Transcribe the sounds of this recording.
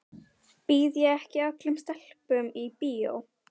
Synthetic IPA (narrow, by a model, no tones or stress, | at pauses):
piðjaɛhcɪaklɪmst̪ɛl̥pʏmipiːo̰w